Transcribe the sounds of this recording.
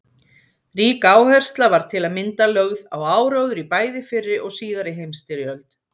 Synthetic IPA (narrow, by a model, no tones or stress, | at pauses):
riːkaaːwhɛr̥st̪lavaɾ̥t̪ʰɪlaðmɪnt̪alœɣðawaːwɾœwðʏɾipaːjðɪfɪrːɪɾʔɔɣsiːðaɾɪɦejmst̪ɪɾjœlt̪